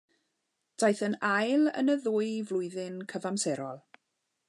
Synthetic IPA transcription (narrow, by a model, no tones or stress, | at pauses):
d̥ajθənajlˠə̰nəðʊːɨvlˠʊɨðɪnkʰəvamsɛɾɔlˠ